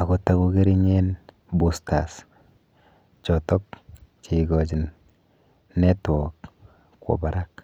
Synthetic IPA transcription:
a˨ku˨ta˨ku˧ɡe˦ɾi˦ɲe˦n | bu˨sta˨s | t͡ʃɔ˨tɔ˦k̚t͡ʃi˨ɡɔ˨t͡ʃi˨nː | ɛ˦twɔk | kwɔ̰˨ba˨ɾa˦k

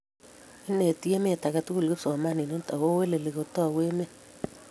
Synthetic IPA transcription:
i˦ne˨tje˦me˦˨ta˨ka˨tu˦ku˨lke˦psɔ˨ma˦ni˨no˦ta˨wo˦we˦le˨le˨ko˨tɔ˦˨we˦me˦

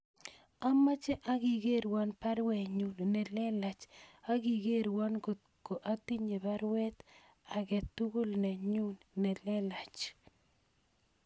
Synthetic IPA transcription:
a˦ma˦t͡ʃɛ˦ʔa˦ɡi˨ɡe˦ɾwa˦npa˦ɾwɛ˨ɲu˨nnɛ˨lɛ˦la˨t͡ʃa˦ɡi˨ɡe˦ɾwa˦nɡo˨t̪ | ko˨ʔa˦t̪i˦ɲe˨ba˦ɾwɛ˦t̪ | a˨ɡɛ˨t̪u˦ɡo˦lnɛ˨ɲu˦nnɛ˨lɛ˦la˨t͡ʃ

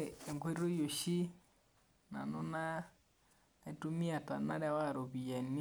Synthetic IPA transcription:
e˨ŋɡwe˦ɾiɾo˦jo˨ʃi˦ | na̰˨no˦na˦ | e˨tu˦mi˦a˨ta˨na˦ɾa˦wa˦˨ɾo˨βi˨a˨n˦

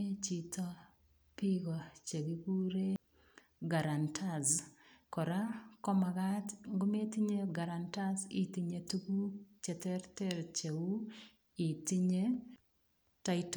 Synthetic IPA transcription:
e˦t͡ʃi˨tɔ˦ | piɣɔ˨t͡ʃe˨ɡiɡu˦ɾe˦ | ɡa˨ɾantʰazkɔ˨ɾa˦kɔ˦ma˨ɣatŋɡʊ˦me˦ti˦ɲe˦ɡa˨ɾantazḭ˦ti˨ɲetu˦ɡu˦t͡ʃɛ˨tɛɾtɛɾt͡ʃeu˦ | i˨ti˦ɲe | tat

